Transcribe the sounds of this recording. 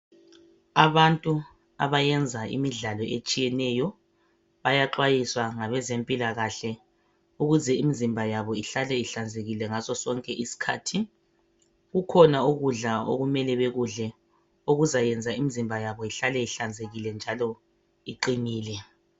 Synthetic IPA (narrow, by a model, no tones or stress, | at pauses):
aβantʼu | a̰βajɛnd͡zʱaḭmiɮalɔʔet͡ʃʼijɛnɛjɔ | βajaǁwajiswaŋaβɛzempʼilaɣaɬɛ | uɣuzɛimizimbʱajaβɔiɬalɛiɬand͡zʱeɣilɛŋasɔsɔŋkʼɛʔisi̥kʰaːtʰi | ɣukʰɔnaoɣuɮao̰ɣumɛlɛβeɣuɮɛ | oɣuzajɛnd͡zʱaimizimbʱajaβɔiɬalɛiɬand͡zʱeɣilɛnd͡ʒʱalɔ | iǃiniːlɛ